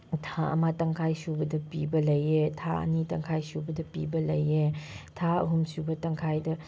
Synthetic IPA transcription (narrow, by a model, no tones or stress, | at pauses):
tʰaɐ̰matɐŋkʰajsubɐdɐpibɐlɐjetʰa̰ɐ̰nitɐŋkʰajsubɐdɐpḭbɐlɐjetʰaɐɦumsubɐtɐŋkʰajdɐ